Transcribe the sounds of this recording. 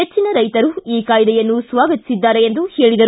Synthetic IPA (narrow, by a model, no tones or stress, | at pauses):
et͡ʃːinɐɾɐjt̪ɐɾuiːkaːjd̪ɛjɐnːusʋaːɡɐt̪i̥sid̪ːaːɾeend̪uheːɭid̪ɐ